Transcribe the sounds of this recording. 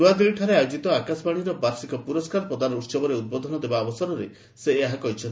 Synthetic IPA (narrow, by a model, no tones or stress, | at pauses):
uad̪ilʈʰaɾeajod͡ʒit̪ɔakasbaɽ̃iɾɔbaɾsikɔpuɾɔskaɾɔpɾɔd̪anɔutsɔbɔɾeud̪̚bod̪ʱɔnɔd̪ebaːbɔsɔɾɔɾe | seeɦakɔɦjt͡ʃʰɔn